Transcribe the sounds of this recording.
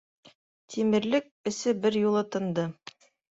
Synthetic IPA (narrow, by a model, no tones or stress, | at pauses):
t̪ʰimɘ̆ɾlɘk̚ɘ̆sɘbɘɾjulˠɤ̆t̪ɤ̆nd̪ɤ